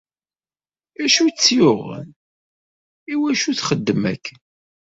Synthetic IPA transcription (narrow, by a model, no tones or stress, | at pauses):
æʃut͡sːjʊʁə̰n | iwæʃuθχəd̪ːəmækː